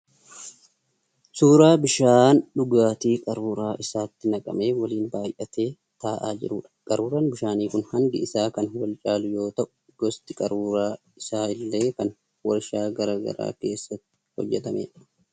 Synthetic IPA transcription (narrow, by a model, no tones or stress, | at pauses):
suːɾaːbɪʃaːnɗʊɡaːt̪iːkʼɐɾuːɾaːʔɪsaːt̪ːɪnɐkʼɐ̰me̞ːwɐliːnbaːjʔɐt̪e̞ː | t̪aːʔaːd͡ʒɪ̰ɾuːᶑɐ̥kʼɐɾuːɾaːnbɪʃaːniːkʊnhɐnd̪ɪɪsaːkɐnwɐlt͡ʃʼaːlʊjo̞ːt̪ɐʔʊ̥ | ɡ̥ɔst̪ʼɪkʼɐɾuːɾaː | ɪsaːɪlːe̞ːkɐn | wɐɾʃaːɡɐɾaːɡɐ̰ɾa̰ːke̞ːsːɐt̪ːɪ̥hɔ̰d͡ʒːɛt̪ɐmḛːᶑɐ̥